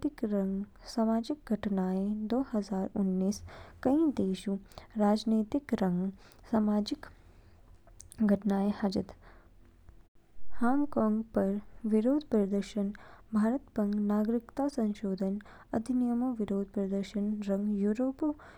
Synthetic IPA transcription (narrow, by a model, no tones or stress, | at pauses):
t̪ikɾɐŋɡ | saːmaːd͡ʒik̚ɡʱɐʈnaːjed̪oːhɐzaːɾunːiːskɐĩd̪eːʃuɾaːd͡ʒneːt̪ikɾɐŋɡ | saːmaːd͡ʒik | ɡʱɐʈnaːjehad͡ʒɐt̪ | haːŋɡkɔːŋɡpɐɾʋiɾoːd̪ʱpɾɐd̪əɾʃɐnbʱaːɾət̪pɐŋɡnaːɡɾikt̪asɐ̃nʃoːd̪ʱən | ɐd̪ʱinijəmɐʋiɾoːd̪̚ʱpɾɐd̪əɾʃɐnɾɐ̃ŋɡjuːɾoːp